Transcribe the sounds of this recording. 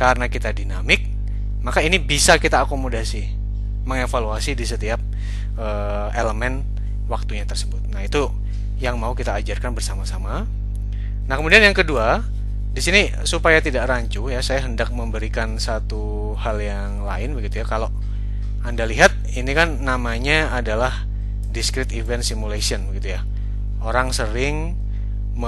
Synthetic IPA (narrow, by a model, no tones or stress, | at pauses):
kaɾənakit̪adinamɪk̚ | makainibisakit̪aːkomodasi | məŋefaluasidisət̪iap̚ | ʔə | eləmɛn | wak̚t̪uɲat̪ərsəbʊt̪̚nahit̪u | jaŋmaukit̪aːd͡ʒarkanbərsamasama | nahkəmudianjaŋkədua | disini | supajat̪idaʔraɲt͡ʃujasajaɦəndak̚məmbəɾikansat̪u | haljaŋlaɪnbəɡit̪ujakalo | andaliɦat̪̚inikanːamaɲaːdalah | diskɾɪt̪ivɛnsimulasiənbəɡit̪uja | oɾaŋsəɾɪŋ | mə